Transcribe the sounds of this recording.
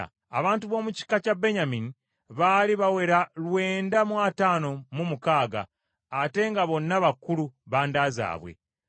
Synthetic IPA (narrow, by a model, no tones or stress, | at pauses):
a̰βaːntuβo̞ːmuci̥kacabe̞ɲamini | βaːliβawe̞ɾalwe̞ːndamwataːno̞mumukaːɡa̰ː | te̞ŋɡaβo̞nːaβakːuluβaːndaːza̰ːβwe̞̰